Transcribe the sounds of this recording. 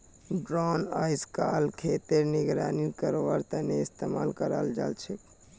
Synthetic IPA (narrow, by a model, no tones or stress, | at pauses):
ɖɾɔnəjskalkʰet̪eɾniɡɾanikəɾʋəɾt̪aneist̪ema̰lkəɾa̰ld͡ʒa̰lt͡ʃʰe